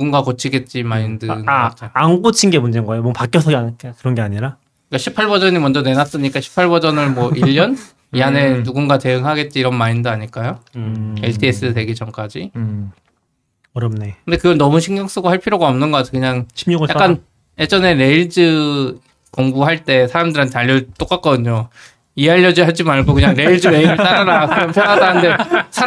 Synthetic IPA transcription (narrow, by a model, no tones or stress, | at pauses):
nuɡunɡakot͡ɕʰiɡe̞t̚t͡ɕ͈imaindɯt͡ɕ͈ʰoːŋɡot͡ɕʰinɡe̞mund͡ʑeŋɡʌejomʌpak͈jʌsʰʌɡiakkɯɾʌnɡe̞aɲiɾa | ik͈aɕʰipʰaɭbʌd͡ʑʌɲimʌnd͡ʑʌne̞nas͈ɯɲik͈aɕʰi̥pʰːaɭbʌd͡ʑʌnɯɭmwʌʔiʎːʌn | iɦane̞nuɡunɡate̞ɯŋɦaɡe̞t̚t͡ɕ͈iːɾʌnmaindɯaɲiɭk͈ajoeɭtʰie̞s͈ɯse̞ɡed͡ʑʌmk͈ad͡ʑi | ɾekkɯnde̞kɯɡʌnʌmuɕʰiŋɡjʌŋs͈ɯɡoɦaɭpʰiɾjoɡaʌmnɯnɡʌk͈at͡ɕʰekɯɲaŋjak͈an | ed͡ʑʌne̞ɾe̞iɭd͡ʑɯ | koŋbuɦaɭt͈e̞sʰaɾamdɯɾantaʎːʌt͈ok͈at̚k͈ʌdɯɲo | ieɦaʎːʌd͡ʑiɦaɭd͡ʑimaɭɡokɯɲaŋɾe̞iɭd͡ʑɯɾe̞iɾɯɭt͈aaɾakɯɾʌnpʰjʌnadanɯnde̞sʰa